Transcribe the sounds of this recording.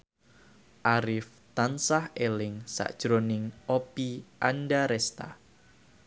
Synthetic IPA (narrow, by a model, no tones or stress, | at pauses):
ʔaɾɪf | t̪ansahelɪŋsa̰ʔd̥ʒ̥ɾonɪŋopiʔanɖaɾɛst̪a̰